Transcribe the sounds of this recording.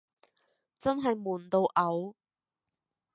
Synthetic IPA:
t͡sɐ˥nɦɐ˨jmuː˨˩nt̪o˨˧wʔɐ˨˧˥w

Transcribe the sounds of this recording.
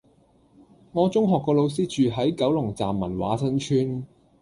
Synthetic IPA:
ŋɔː˨˧t͡sʊ˥ŋɦɔː˨kːɔː˧lo˨˧ws̬iː˥t͡ʃyː˨ɦɐ˨˥jkɐ˨˥wlʊ˨˩ŋt͡sa̰ː˨mːɐ̰˨˩nwa̰ː˨˥sʰɐ˥nt͡ʃʰyː˥n

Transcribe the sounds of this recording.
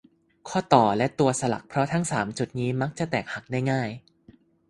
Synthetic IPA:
kʰɔː˥˩t̪ɔː˨˩lɛ˦˥ʔt̪u˧ɐsa˧la̰˨˩k̚pʰɾɔ˦˥t̪ʰa˦˥ŋsaː˩˦mt͡ɕu˨˩t̪̚niː˦˥ma˦˥k̚t͡ɕa˨˩t̪ɛː˨˩k̚ha˨˩k̚da˥˩jŋaː˥˩j

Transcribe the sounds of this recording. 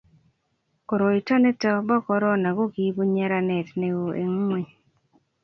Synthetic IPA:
ko˨ɾo˨i˨tɔ˦nɛ˦tɔ˦bɔ˦kɔ˦ɾɔ˦na˨ɡo˦ɡi˦bo˦ɲɛ˦ɾa˦nɛ˨tne˨o˨ḛ˨ŋ˦we˦˨

